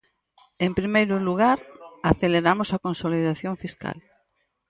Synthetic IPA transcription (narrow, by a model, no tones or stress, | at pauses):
empɾimejɾʊluɣ̞aɾaθeleɾamʊsakonsoliðaθjõɱfiska̰l